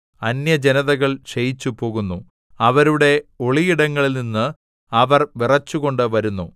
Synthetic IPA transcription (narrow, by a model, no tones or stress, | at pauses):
ɐnjɐd͡ʑenɐðɐɣɐɭɕejit͡ɕːupo̞ːɣunːu | ɐʋɐɾuɽe̞o̞ɭiiɽɐŋːɐɭilninːɨ | ɐʋɐrʋirɐt͡ɕːuɣo̞ɳɖɨʋɐɾunːu